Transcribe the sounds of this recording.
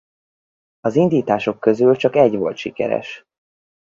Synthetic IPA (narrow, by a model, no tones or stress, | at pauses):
ɒzind̪iːt̪aːʃo̞kːø̞zylt͡ʃɒkɛɟʋo̞lt̪ʃikɛ̰ɾɛ̰ʃ